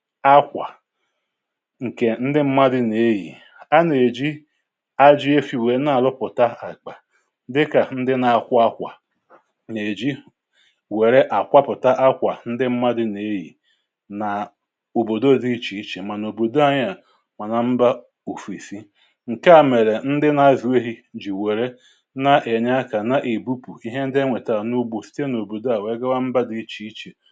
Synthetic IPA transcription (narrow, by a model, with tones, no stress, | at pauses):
a˦kʷa̰˨ | ŋ̩˨ke˨n̩˦dɪ˦m̩˦ma˦dɪ˦ne˦ɦḭ˨ | a˦ne˨d͡ʒi˦ | a˦d͡ʒɪ˦e˦fi˨we˨˦na˦˨a˨lʊ˦pʊ˨ta˦a˨k͡pa˨˦ | dɪ˦ka˨n̩˦dɪ˦na˨a˨kʷʊ˦a˦kʷa̰˨ | ne˨d͡ʒi˦ | we˨ɾe˦ʔa˨kʷa˦pʊ˨ta˦ʔa˦kʷa˨n̩˦dɪ˦m̩˦ma˦dɪ˦ne˦ji˨ | na˨ | o˨bo˨do˦di˦t͡ʃi˨i˦t͡ʃe˨ma˨no˨bo˨do˦a˨ɲa˨ | ma˨na˨m̩˦ba˦ | u˨fi˨si˦ | ŋ̩˨ka˦˨me˨ɾe˨n̩˦dɪ˦na˦zi˨we˦ɦi˦d͡ʒi˨we˨ɾe˦ | na˨ʔe˨ɲa˦ka˨na˨ʔe˨bu˦pu˨i˦ɦe˦n̩˦dŋʷe˨ta˨nu˦ɡ͡bo˨si̥˦te˦no˨bo˨do˦a˨we˦ɡa˦wa˦m̩˦ba˦di˦t͡ʃi˨˦i˦t͡ʃe˨